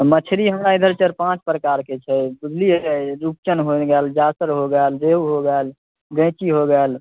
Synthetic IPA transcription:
mət͡ʃʰɾiɦəmɾaid̪ʱəɾt͡ʃəɾpãt͡ʃpɾəkaɾket͡ʃʰɛbiɡliɛɾup̚t͡ʃənɦoɡɛld͡ʒasəɾɦoɡɛlɾeɦuɦoɡɛl | ɡə̃t͡ʃiɦoɡɛl

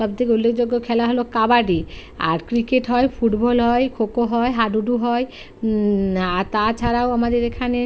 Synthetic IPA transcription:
ʃɔbt̪ʰik̬eulːekʰd͡ʑoɡːokʰɛlaɦolokabaɖia̰ɾkɾikeʈɦɔepʰuʈbɔlɦɔekʰokoɦɔeɦaɖuɖuɦɔj | aɾt̪at͡ɕʰaɾaoamad̪eɾekʰane

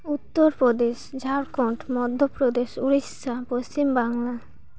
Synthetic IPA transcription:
ut̪ːoɾpɾod̪eʃd͡ʑʱaɾkɔɳʈmɔd̪ʱːopɾod̪eʃuɾisapost͡ɕimbaŋla

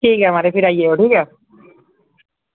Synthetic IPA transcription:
iɡamaɾepiɾajeoʈika

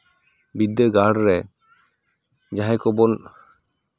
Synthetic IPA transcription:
bid̪əɡaɽɾɛ | d͡ʒaɦɛ̃kɔbɔn

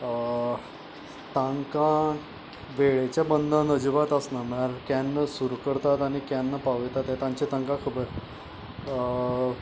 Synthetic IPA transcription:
t̪ãŋkã | ʋeɭet͡ɕjabənd̪ʱanəd͡ʑiʋat̪əsnamaɾkjanːəsuɾukəɾt̪at̪añikjanːapaʋəjt̪at̪jat̪ãɲt͡ɕet̪aŋkãkʰəbəɾ

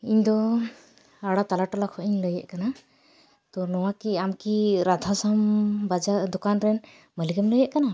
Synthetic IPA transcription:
iɲd̪ɔ | aɽat̪alaʈɔlakʰɔʔiɲləjɛ̰ʔkana | t̪ɔnɔwakiamkiɾad̪ʱasambad͡ʒad̪ɔkanɾɛn | məliɡɛmləjɛʔkana

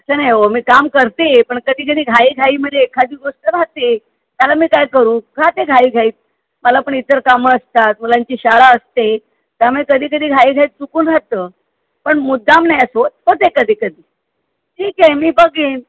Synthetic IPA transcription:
əsʰanajɦomiːkamkəɾt̪epəɳkəd̪ʱiːk̬əd̪ʱiːɡʱaiːɡʱaiːməd̪ʱːjeːkʰad̪ʱiːɡoʂʈəɾat̪e | t̪jalamiːkajkəɾũːkʰat̪eɡʱaiːɡʱaiːt̪̚ | məlapəɳit̪əɾkaməəst̪at̪̚mulaɲt͡ɕiːɕaɭaəst̪e | t̪jaməekəd̪ʱiːk̬əd̪ʱiːɡʱaiːɡʱaiːt͡sukuːnɾat̪əː | pəɳmud̪ʱːamnajəsot̪̚pət̪ekəd̪ʱiːkəd̪ʱiː | ʈʰiːkɛmiːbəɡiːn

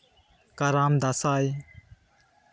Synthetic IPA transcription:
kaɾaːmd̪asaːj

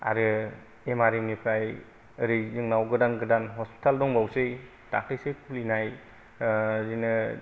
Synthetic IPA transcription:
a̰ɾɯ | emaɾimnipʰɾaj | ɾɯjzɯŋnawɡɯdanɡɯdanɦɔspi̥tʰaldɔŋbawsej | ta̰k̚ʰɾɯjsekʰulinaj | zɯnɯ

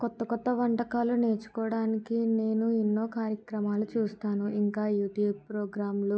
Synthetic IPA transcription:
kɔt̪ːɐkɔt̪ːɐʋɐɳʈɐkaːlune̞ːɾt͡ʃu̥kɔːɽaːnikine̞ːnuinːo̞ːkaːɾjɐkɾɐmaːlut͡ʃuːst̪aːnuʔiŋkaːjuːʈjuːb̚pɾoːɡɾaːmlu

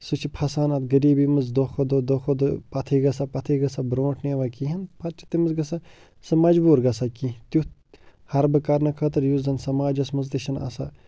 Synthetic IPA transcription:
sut͡ʃʰipʰɐsaːnɐt̪ɡɐɾiːbimɨzd̪oxʰod̪od̪oxʰod̪pɐt̪ʰiːɡɐsapɐt̪ʰiɡɐsabɾõːʈʰneːʋɐkiɦɐnpʰɐtt͡ʃʰi̥t̪imɨzɡɐsa | sɨmɐd͡ʒbuːɾɡɐsakit̪ju | hɐɾbɨkɐɾnɐkʰɐt̪ɨɾjuzzɐnsɐmaːd͡ʒɐsmɨzt̪iʃɐnɐ̰sa̰

